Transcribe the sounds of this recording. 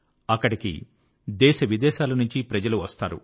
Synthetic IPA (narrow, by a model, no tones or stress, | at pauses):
ɐkːɐɽikḭ | d̪ɛːʃɐʋid̪ɛːʃaːlɐnuɲt͡ʃipɾɐd͡ʒɐluʋɐst̪aːɾṵ